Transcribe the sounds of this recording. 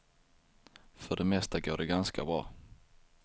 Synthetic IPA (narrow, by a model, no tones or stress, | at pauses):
fœɖɛmɛst̪aɡoːɖɛɡanskʰabɾɑː